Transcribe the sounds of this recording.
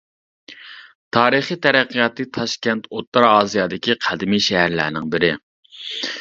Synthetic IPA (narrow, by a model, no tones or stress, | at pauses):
t̪ʰɑːɾɨχit̪ʰæɾæqːijɑt̪ʰːɨt̪ʰɑʃkʲɛnt̪ʰot̪ːɑɾɑːzijɑːd̪ɪkʲiqʰæd̪ɪmiʃɛɦæɾlæ̰ɾnɪ̰ŋbɪɾɪ